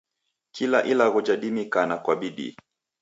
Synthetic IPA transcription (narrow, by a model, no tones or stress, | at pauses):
kʰilaʔilaɣɔd͡ʒaɗimikanakwaɓiɗḭ